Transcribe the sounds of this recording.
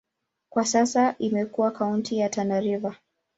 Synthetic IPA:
kwasasaʔimɛkuwakauntijatanaɾiva

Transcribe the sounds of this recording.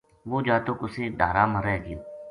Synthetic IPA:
ɡuːd͡ʒaːt̪uːkʊseːɖ̪ʱaːɾaːməɾɛːɡj

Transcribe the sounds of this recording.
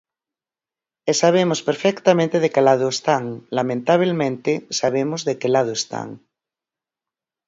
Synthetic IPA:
esaβ̞emospeɾfekt̪amẽnt̪eð̞ekelað̞oest̪aŋlamẽnt̪aβ̞elmẽnt̪esaβemozðekelað̞oest̪a̰ŋ

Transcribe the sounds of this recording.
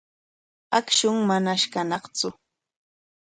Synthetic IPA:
akʃʊŋmanaʃkanɑχt͡sʊ

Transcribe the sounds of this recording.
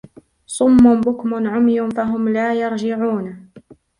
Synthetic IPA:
sˤʊmːʊnbʊkmʊnʕʊmjʊnfaɦʊmlaːjɑɾˤd͡ʒɪʕuːn

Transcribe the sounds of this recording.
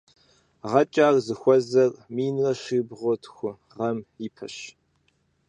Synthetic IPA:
ʁɐt͡ʃʼaːrzɨxʷɔzɐrmiːnrɐʃibʁʷɔtʰxʷʊ | ʁɐmipʰɐ̰ɕ

